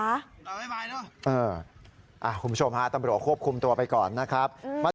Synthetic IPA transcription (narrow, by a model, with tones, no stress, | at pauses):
a˦˥˧ | ʔɤː˧ | ʔa˨˩kʰu˩˦bu˥t͡ɕʰo˧mha˦˥t̪a˧bɾə˦˩kʰu˥˩əp̚kʰu˧mt̪u˧ɐpa˧jkɔː˨˩nːa˦˥kʰɾa˦˥p̚ma˧˥